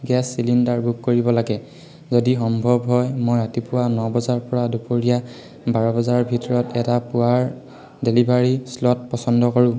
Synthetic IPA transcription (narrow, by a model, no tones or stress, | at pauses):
ɡɛsːilindaɹbʱukkːoɹibɔlaɡɛ | zodixɔmbʱɔbɦɔjmojɹatipʊwanɔbɔzaɹpɔɹadupoɹija | baɹɔbɔzaɹbʱitɔɹɔtɛtapʊwaɹ | delibʱaɹislɔtpɔsɔndɔkɔɹʊ̃